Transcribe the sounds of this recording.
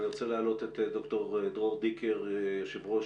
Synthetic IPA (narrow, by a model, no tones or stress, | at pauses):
niʁot͡selealo̞t̪et̪edokto̞ʁed̪ʁoʁd̪ikʰeʁʃevʁo